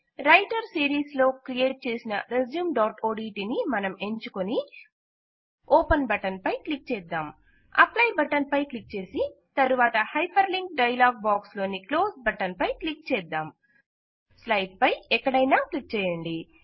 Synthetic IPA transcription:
ɾɐjʈɐɾsiːɾiːslo̞ːkɾieːʈ̚t͡ʃe̞ːsinɐɾezjuːmɖaːʈoːɖiːʈinimɐnɐme̞ɲt͡ʃukoni | oːpɐnbɐʈɐnpɐjklik̚t͡ʃɛːd̪ːaːm | ɐ̰plɐjbɐʈɐnpɐjklik̚t͡ʃe̞ːsit̪ɐɾuʋaːt̪ɐhɐjpɐɾliŋk̚ɖɐjɐlaːɡ̚baːkslo̞ːniklo̞ːsbɐʈɐnpɐjklik̚t͡ʃɛːd̪ːaːm | slɐjʈ̚pɐjɛkːɐɽɐjnaːklik̚t͡ʃɛːjɐɳɖi

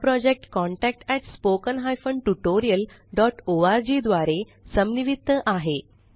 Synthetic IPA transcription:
pɾɔd͡ʑek̚ʈkɔɳʈɛk̚ʈɛʈspokənɦajfəɳʈuʈoɾijəlɖɔʈoaɾd͡ʑiːd̪ʋaɾe | səmniʋit̪ːəʔaɦe

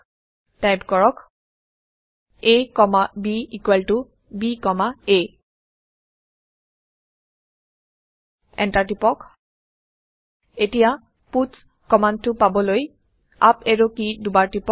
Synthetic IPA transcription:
tajpkɔɹɔk | ekɔmabiikwɛltu | bikɔmae | ɛ̰ntaɹtipɔk | etija | puts | kɔmantʊpabɔloj | a̰peɹokidubaɹtipɔ

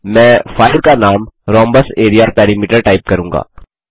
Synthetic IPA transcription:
mɛ̃ːfaːɪɾkanaːmɾɔ̃ːmbəseːɾijaɾpɛːɾimiːʈəɾʈaɪp̚kɐɾũːŋɡa̰ː

